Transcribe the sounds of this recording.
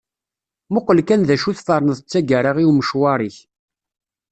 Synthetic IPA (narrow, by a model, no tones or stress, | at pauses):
mʊqːəlkænðæʃuθfɑɾˤnəðət͡sːæɡæɾaʁiwməʃwɑɾˤiç